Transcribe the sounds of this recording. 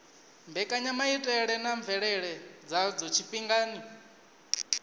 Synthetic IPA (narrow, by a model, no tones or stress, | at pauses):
mbɛkʼaɲamaitʼɛɺɛnaɱvɛɺɛɺɛd͡zad͡zɔt͡ʃʰipʼiŋɡaːni